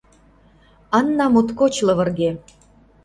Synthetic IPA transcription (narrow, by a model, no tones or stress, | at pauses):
ɑnːɑmot̪kot͡ɕlɤ̆βə̆rɣe